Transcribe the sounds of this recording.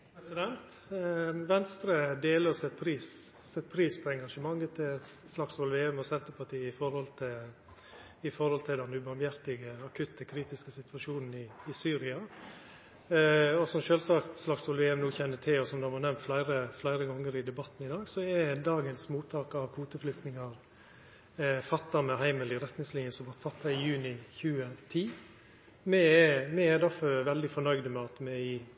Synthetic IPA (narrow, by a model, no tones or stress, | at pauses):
pʰɾɛsɪd̪ɛnt̪ | ʋɛnst̪ɾəd̪eːləsɛt̪̚pʰɾiːsɛt̪pʰɾiːspʰɔɛŋɡɑʂəmɑŋːət̪ʰɪslɑksʋɔlʋeːɛmɔsɛnt̪əpʰɑʈiːəɪfɔɾhɔlt̪ʰɪl | ɪfɔɾhɔlt̪ʰɪld̪ɛnʉːbɑɾmjæɾt̪ɪɡəɑkʰʉt̪ːəkʰɾiːt̪ɪskəsɪt̪ʋɑʂuːnn̩ɪɪsyːɾɪɑ | ɔsɔmʃøːlsɑkt̪slɑksɔlʋɛːɛmnuːçɛnːət̪ʰɪlɔsɔmd̪ɑmɑnɛmnt̪flæɪɾəflæɪɾəɡɔŋːəɾɪd̪ɛbɑt̪n̩ɪd̪ɑːɡsɔɛd̪ɑːɡənsmuːt̪ʰːɑːkɑʋkʰuːt̪əflʏkt̪nɪŋɑɾ | fɑt̪ːɑmɛɦæɪməlɪɾɛt̪nɪŋsliːnjəsɔʋɑt̪fɑt̪ʰːɑɪjʉːnɪçʉːət̪ʰiː | mɛɛmɛɛd̪æɾfɔʋɛld̪ɪfɔnœʏd̪əmɛɑt̪mɛɪ